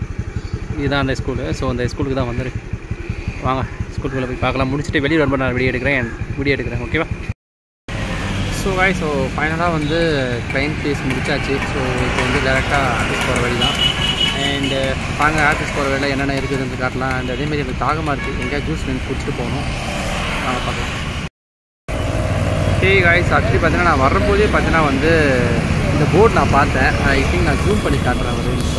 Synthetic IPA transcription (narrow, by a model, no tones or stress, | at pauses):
ɪðãːɐnd̪ɐɪskuːlsoːɐnd̪ɐɪskuːlɯkːɯt̪ãːʋɐnd̪ɯɾɯkː | ʋaːŋɡɐskuːlkɐɭːɐpoːjpaːɾkɐlãːmʊɽɪt͡ʃːɯ̥ʈːɯʋɛɭɪɾɐɾmbɐnaːlɐʋɪɽɪjɛɽɯkːɾẽːɛnʋɪɽɪjɐːɽɯkːɪɾẽːoːkeːʋaː | soːʋaːɪsoːfɐɪnɐlaːʋɐnd̪ɯklɐɪmpeːsmʊɽɪt͡ʃːaːt͡ʃːɯsoːɪpːɐʋɐnd̪ɯɡɐɾɛk̚ʈːaːaːɾʈɪspoːɾɐʋɛɭɪt̪ãːɛɳɖ | naːŋɡɐaːɾʈɪsʈpoːɾɐʋeːɽɪlɐɛnːɐnːaːɪɾɯkːɯðɯnd̪ɯkaːʈːlãːɐnɖ̪ɐðeːmaːd̪ɾiɛŋɐkːɯt̪aːɣɐmaːɪɾɯkːɯʔɛŋɡejaːd͡ʒuːsnɛnkʊɽɪt͡ʃːɪ̥ʈːɯpoːɐnʊ̃ | naːŋɡɐpaːɾk̪ɯɾ̃ | okeːɡaːjsɐʈʈːɐɽipaːt̪iŋnaːnãːʋɐɾːɐpoːðijepaːɾt̪ĩŋnãːʋɐnd̪ɯ | ɪnd̪ɐboːʈnãːpaːɾt̪ẽːɐɪt̪ʰɪŋk̚nãːd͡ʒuːmpɐɳːikːaːɖɾẽːʋɐɾɯ